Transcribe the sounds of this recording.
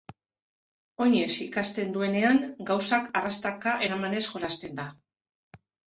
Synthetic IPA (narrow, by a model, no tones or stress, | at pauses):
o̞ɲe̞sikast̪e̞nd̪ue̞ne̞aŋɡawsakarast̪akaʔe̞ɾamane̞sʝo̞ɾast̪e̞nd̪a